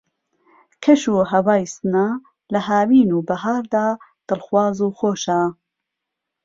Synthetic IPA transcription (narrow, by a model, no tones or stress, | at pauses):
kʰɐʃuːɦɐwaːjsnaː | lɐɦaːwiːnuːbɐɦaːɾd̪aː | d̪̥ɨlxwaːzuːxoːʃaː